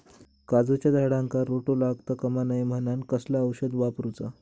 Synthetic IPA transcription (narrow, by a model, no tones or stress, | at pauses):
kad͡zut͡ɕjad̪aɽãŋkaɾoʈolaɡt̪əkəmanajm̤ənankəslaəwɕəd̪ʋapɾut͡sa